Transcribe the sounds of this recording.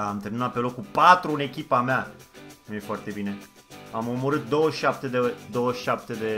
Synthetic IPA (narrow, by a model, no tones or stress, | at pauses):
aːmt̪əninat̪̚pe̞lo̞kupat̪ɾuɨne̞kʲipameamje̞foart̪e̞bine̞ | amomoɾɨt̪̚d̪o̞wəʃap̚t̪ed̪ed̪o̞wəʃap̚t̪e̞d̪e